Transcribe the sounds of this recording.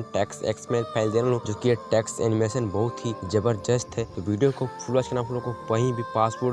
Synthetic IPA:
ʈɛːksḛːksmẽpʰɛːɪld̪eːnalõd͡ʒoːkieʈɛːksɛ̰ːnɪmeːʃənbɐɦʊt̪ɦid͡ʒɐbəɾd͡ʒəst̪ɦɛt̪oʋiːɖijokopʰʊlaːt͡ʃkenaːpʰʊlõkokɐɦĩbʱipaːsboː

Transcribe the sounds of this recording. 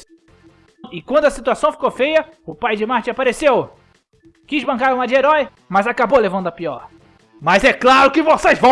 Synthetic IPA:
ɪkwɐ̃nd̪ʊɐsit̪uasɐ̃w̃fi̥kowfejɐʊpajd͡ʒɪmaɾt͡ʃɪapaɾesew | kizbɐ̃ŋkaɾũmad͡ʒɪeɾɔj | mɐzakabolevɐ̃nd̪ʊɐpiɔɾ | mɐzɛklaɾʊkɪvosezvɐ̃

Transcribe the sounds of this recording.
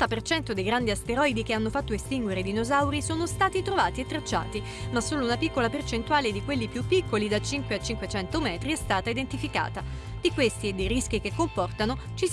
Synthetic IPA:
t̪apert͡ʃɛnt̪od̪ejɡɾand̪iast̪eɾɔid̪ikeanːofat̪ːoest̪iŋɡweɾed̪inozawɾisoːnost̪aːt̪it̪ɾovaːt̪iet̪ːɾat͡ʃːa̰ːt̪i | masːoːlounapikːolapert͡ʃent̪uaːled̪ikwelːipjupːikʰːolid̪at͡ʃiŋkweat͡ʃːiŋkwet͡ʃɛnt̪omɛːt̪ɾiɛst̪aːt̪aid̪ent̪ifika̰ːt̪a | d̪ikwest̪ied̪ːejɾisk̟ikekːompɔrt̪ano | t͡ʃi

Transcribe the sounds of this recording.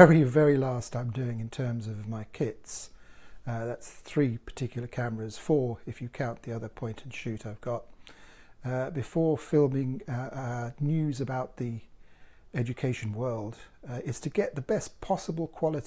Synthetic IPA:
əɹivɛɹilæstãɪ̃mdʉɪ̃ŋɨ̃ntʰɜ̃˞mzʌvmaɪkʰɪts | ðætsθɹipʰə̥tʰɪkʰjl̩ˠə˞kʰæmə˞ɨz̥fɔɹɨfjɨkʰãʊ̃nðiʌðə˞pʰɔ̃ɪ̃ntʰn̩ʃʉɾaɪvɡɑt̚ | bɨfɔɹfɪlˠmɪ̃ŋ | njʉzɨbaʊt̪̚ði | ɛd͡ʒɨkʰeɪʃɨ̃n̩wɜ˞lˠdɪz̥tʰɨɡɛʔ̪̚ðəbɛspʰɑsəbəlˠkʰw̥ɑlˠɨt

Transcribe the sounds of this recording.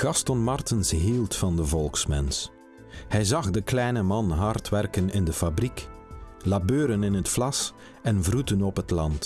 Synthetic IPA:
ɡ̥ɑstɔnmɑrtɪnsɦilˠtfɑndəvɔlˠksmɛ̰ns | hɛjzɑχdəklɛjnəmɑnɦɑrtʋɛrkənɪndəfabriklabøːɾənɪnɦətflɑs | ɛnvrutənɔpɦətlɑnt

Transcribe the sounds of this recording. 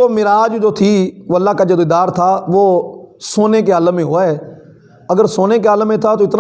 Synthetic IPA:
oːmɪɾaːd͡ʒd͡ʒoːt̪ʰiːoːəlːaːkad͡ʒəd̪ɪd̪aːɾt̪ʰaːʋoːsoːneːk̬ealmẽːɦoːaɦɛː | əɡəɾsoːneːkealmẽt̪ʰaːt̪oɪt̪n

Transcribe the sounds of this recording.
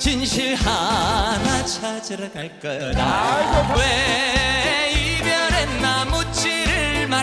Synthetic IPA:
t͡ɕinɕʰiɾhanat͡ɕʰad͡ʑɯɾaaɭk͈ʌawe | ibjʌɾenmamut͡ɕʰiɾɯɭma

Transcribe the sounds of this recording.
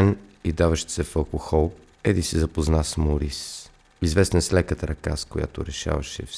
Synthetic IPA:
nid̪avəʃsɛfɐlˠkoxɔlˠ | ɛd̪isizɐpoznasmoɾis | izvɛst̪nəslɛkət̪əɾɐka̰skoja̰t̪o̰ɾɛʃa̰vɐʃɛ̰f

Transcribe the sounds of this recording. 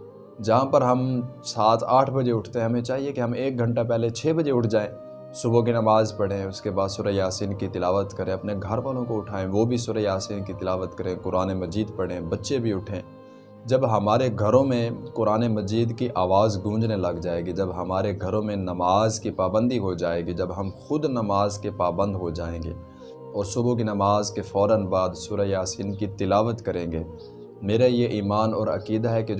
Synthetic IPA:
d͡ʒɐɦãpɐɾɦɐmsaːt̪ʰaːʈʰbɐd͡ʒeʊʈʰt̪eɦɛ̃ɦɐmẽt͡ʃaːɦiekiɦɐmeːk̚ɡʱɐ̃ɳʈapɛɦlet͡ʃʰeːbɐd͡ʒeʊʈʰd͡ʒaːẽː | sʊbõk̬inɐmaːzpɐɽ̤ẽʊskebaːd̪sʊɾəjaːsiːnkit̪ɪlaːʋət̪kɐɾẽɐpneɡʱɐɾʋalõkoʊʈʰaːẽʋobʱisʊɾəjaːsiːnkit̪ɪlaːʋət̪kɐɾẽːkʊɾaːnemɐd͡ʒiːd̪pɐɽ̤ẽbɐtːʃebʱiʊʈʰẽː | d͡ʒɐbɦɐmaːɾeɡʱɐɾõmẽkʊɾaːnemɐd͡ʒiːd̪kiʔaːʋaːzɡũːd͡ʒnelɐɡd͡ʒaːeːɡid͡ʒɐbɦɐmaːɾeɡʱɐɾõmẽnɐmaːzkipaːbə̃nd̪ʱiɦod͡ʒaːeːɡid͡ʒɐbɦɐmxʊd̪nɐmaːzkepaːbə̃nd̪ɦod͡ʒaːẽːɡḛː | ɔːɾsʊbʱuk̬inɐmaːzkefɔːɾənbaːd̪sʊːɾəjaːsiːnkit̪ɪlaːʋət̪kɐɾẽːɡeː | meːɾajeʔiːmaːnɔːɾɐ̰kiːd̪aɦɛke

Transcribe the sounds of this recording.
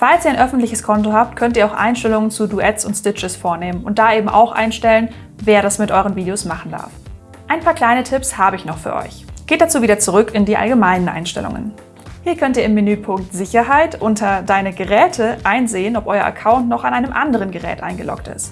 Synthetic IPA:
falsʔiːɐaɪnʔœfn̩tlɪçəskʰɔntohaːp̚tkʰœntiːɐaʊxʔa̰ɪnʃtɛlʊŋənt͡suduʔɛtsʊntstɪt͡ʃəsfoːɐneːmənʊnt̚d̥aːʔeːbm̩ʔa̰ʊxʔa̰ɪnʃtɛlən | veːɐɾasmɪtʔɔʏʁənviːdeosmaχn̩da̰ɐf | ʔaɪnpʰaːɐkl̥aɪnətʰɪpshaːbəɪçnɔχfyːɐʔɔ̰ʏçɡ̥eːt̚d̥at͡suːviːdɐt͡suʁʏkɪndiːʔa̰lɡəmaɪnənʔa̰ɪnʃtɛ̰lʊ̰ŋə̰n | hiːɐkʰœntiːɐɪmːɪnyːpʰʊŋk̚tz̥ɪçɐɦaɪtʔʊntʰɐdaɪnəɡəʁɛːtʰəʔaɪnzeːənɔpʔɔʏɐ̰ʔa̰kʰaʊntnɔχanʔaɪnəmʔandəʁ̞ənɡəʁɛ̰ːtʔa̰ɪnɡəlɔ̰ktɪ̰st

